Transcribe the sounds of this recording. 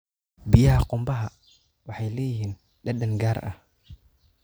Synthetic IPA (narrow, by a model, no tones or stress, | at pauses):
bɪjɐɦɐqʊmbɐɦɐ | wɑħɑjlɛːjɪhiːn | ɗɐɗɐŋɡaːɾʔɐ̰h